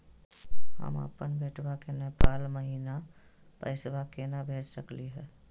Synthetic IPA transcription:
ɦə̰mə̰pənbʱeːʈʰbakenepaːlməɦina | pə̰ɪsbakenabʱeːt͡ʃsəkliɦɛː

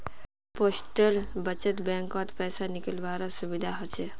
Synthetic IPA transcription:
poːsʈəlbət͡ʃət̪bɛ̃ːŋkɔ̃t̪pɛːsanɪkəlʋaːɾasʊbɪd̪ʱaɦɔt͡ʃe

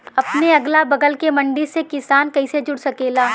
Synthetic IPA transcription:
ɐpneɐɡlabɐɡəlkemɐ̃ɳɖisekɪsaːnkɐised͡ʒʊɽsɐkeːlaː

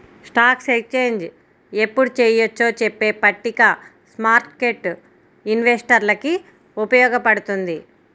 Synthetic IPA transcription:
sʈaːksekt͡ʃeːɲd͡ʒ | epːuɽut͡ʃeːjot͡ʃːo̞ːt͡ʃepːeːpɐʈːikɐ | smaːɾʈkeʈ | inʋesʈɐɾlɐki | upɐjɔːɡɐpɐɽut̪und̪i

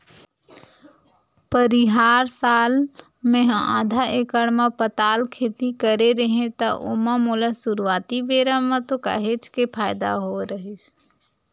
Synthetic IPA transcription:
pəɾiɦaːɾsaːl | mẽɦa̰ːd̪ʱaʔeːkəɽmãpət̪aːlkʰeːt̪ikəɾeɾəɦẽt̪aʔʊ̰mãmoːlasʊɾuwaːt̪ibeːɾamãt̪oka̰ːɦet͡ʃkepʰaːjd̪a̰ɦoɾəɦis

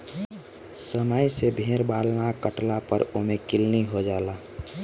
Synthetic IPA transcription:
səməjsebʱeːɾbaːlnakəʈlapə̰ɾomẽkɪlniɦod͡ʒaːla

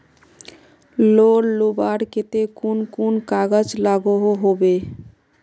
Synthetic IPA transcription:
lonlubaɾket̪ekunkunkaɡad͡ʒlaɡoɦoɦobe

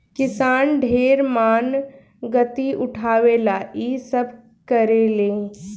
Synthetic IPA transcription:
kɪsaːnɖʱeːɾmaːn | ɡət̪iʔʊʈʰaːʋeːlaːʔisəbʱ | kɐɾeːleː

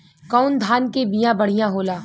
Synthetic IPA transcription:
kɔːnd̪ʱaːnkebijãbɐɽ̤ijãɦoːlaː

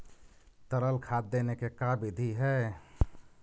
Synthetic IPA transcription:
t̪əɾəlkʰad̪ːenekekabid̪ʱiɦɛ

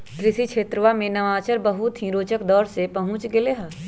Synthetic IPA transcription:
kɾɪʃikʃʰeːt̪ɾəʋamẽnɐʋaːt͡ʃəɾbɐɦʊt̪ɦĩɾoːt͡ʃəkd̪ɔːɾsepɐɦʊ̃t͡ʃɡɪleɦa

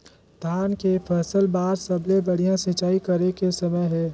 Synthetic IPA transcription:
d̪̥ʱaːnkepʰɛːsəlbaːɾsɐblebɐɽ̤ijãsɪ̃t͡ʃaːikɐɾekesɐməjɦɛ̃ː

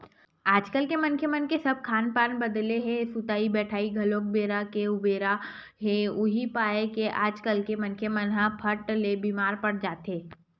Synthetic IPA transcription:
aːd͡ʒkəlkemɐnkʰjeəmənkesɐb̚kʰaːnpaːnbəd̪leɦɛ̃sut̪aːibɛːʈʰaːiɡʱɐloːk̚beːɾakeʊbeːɾa | ɦɛʊɦipaːekeʔaːd͡ʒkəlkemɐnkʰjemənɦãpʰɐʈlebiːmaːɾpɐɽd͡ʒaːt̪eː

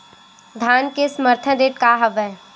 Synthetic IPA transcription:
d̪ʱaːnkesəməɾt̪ʰə̃ɾeːʈkaɦəʋɛː

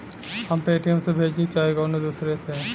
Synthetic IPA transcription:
həmpeːʈijəmsebʱeːd͡ʒit͡ʃaːikɔːned̪usɾet̪ʰe

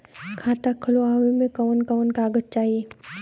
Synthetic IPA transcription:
kʰaːt̪akʰʊlaːʋemẽkɔːnkɔːnkaːɡəd͡ʒt͡ʃaːɦieː

